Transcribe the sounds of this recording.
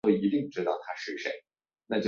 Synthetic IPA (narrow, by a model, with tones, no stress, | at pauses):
o˥˩ɪi˧˥t̪i˥˧ŋu˥˩ʈ͡ʂɻ̩˥t̪ɑ˥˩ʊt̪ʰa˥ʂɻ̩˥˩ʂḛ˧˥ɪ | na˥˧˩t͡ɕo˥˩